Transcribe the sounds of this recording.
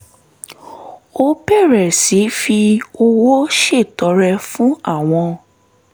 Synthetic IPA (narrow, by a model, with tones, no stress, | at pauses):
o˦pɛ˦˨ɾɛ˨si˨˦fi˧o˧wo˦ʃe˦˨tɔ˨˦ɾɛ˧fũ˦a˦˨w̃ɔ̃˧